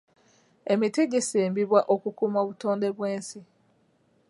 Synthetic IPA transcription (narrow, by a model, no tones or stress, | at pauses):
emitiɟeseːmbiβwaʔokukumaβutoːndeβweːnsi